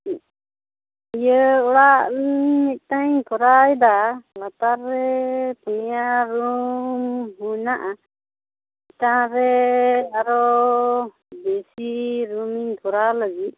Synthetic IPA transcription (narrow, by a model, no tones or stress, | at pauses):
ijəɔɽaʔmit̪̚ˀt̪aɲk̪ʰɔɾajd̪alat̪aɾːɛpunijaɾumɦunaʔa | it̪aɾɛaɾɔ | bɛsiɾumiɲt̪ʰɔɾaləɡit̪̚